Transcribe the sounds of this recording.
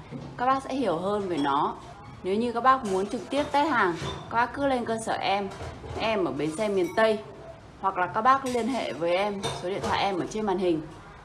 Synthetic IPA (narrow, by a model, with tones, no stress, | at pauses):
kaː˦˥k̚ɓaː˦˥k̚sɛ̰˧˥hi˧˩əwɦəː˧nveː˨˦jnɔ˨˦ | ne˨˦wɲɨ˧kaː˦˥k̚ɓaː˦˥k̚mu˨˦ənt͡ɕɨ˨˩k̚t̪i˦˥əp̚t̪aː˨˦jhaː˨˩ŋkaː˦˥k̚ɓaː˦˥k̚ːkɨ˨˦˥le˧nkəː˧səː˧˩ʔɛ˧mʔɛ˧mʔəː˧˩ɓe˨˦nsɛ˧mi˨˩ənt̪ə˧j | hwa˨˩k̚laː˨˩kaː˦˥k̚ɓaː˦˥k̚li˧ənɦḛ˧˨vəː˨˦jʔɛ˧mso˨˦ɗi˧˨nt̪wa̰ː˧˨ʔɛ˧mʔəː˧˩t͡ɕe˧nmaː˨˩nhï˨˩ŋ̟